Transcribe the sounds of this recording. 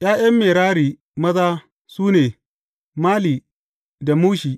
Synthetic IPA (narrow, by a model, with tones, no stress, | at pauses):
j̰aː˦jɐ˦mːeː˨ɾaː˦ɾiː˨ | mɐ˦zaː˦ | suː˦neː˨ | maː˦liː˨ | da˨muː˦ʃiː˨